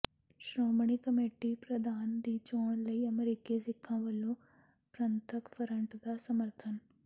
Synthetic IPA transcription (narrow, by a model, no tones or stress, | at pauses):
ʃɾoːmɳikɐmeːʈipɾɐd̪ʱaːnd̪iːt͡ʃoːɳ̃lɐiɐmeɾiːkesɪkʰːãːʋɐlo | pɾɐnt̪ʰəkfʰɐɾɐɳʈd̪asɐməɾt̪ʰən